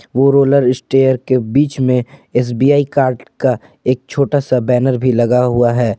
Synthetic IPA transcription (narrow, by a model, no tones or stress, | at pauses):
ʋoɾoːləɾɪsʈeːjəɾkebiːt͡ʃmẽeːs̬biːjaːikaːɾɖka | eːk̚t͡ʃʰoːʈasabɛːnəɾbʱilɐɡaɦʊaɦɛː